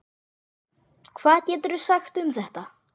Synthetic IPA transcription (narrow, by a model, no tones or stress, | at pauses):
kʰvaːðcɛːt̪̬ʏɾʏsaxt̪ʏmθɛht̪a